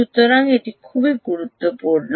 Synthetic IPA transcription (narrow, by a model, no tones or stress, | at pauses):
ut̪ːəɾaŋet̪ikʰubiɡuɾut̪ːəpuɽn